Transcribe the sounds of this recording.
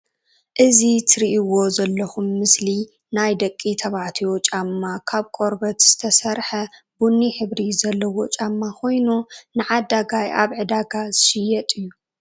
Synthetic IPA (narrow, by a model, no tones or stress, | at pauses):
ʔɨzit̪ʰɨɾiʔiwo̞zɐlːɐxumːɨsli | najd̪ɐkʼːit̪ʰɐβaʕt̪ʰiot͡ʃʼamːakʰaβkʼo̞ɾbɐt̪z̥ɨ̥t̪ʰɐsɐɾħɐ | bunːiħɨβɾizɐlːɐwo̞t͡ʃʼamːakʰo̞jnunɨʕad̪aɡaja̰βʕɨd̪aɡaz̥ɨʃɪjːɐt̪ʼɨjːu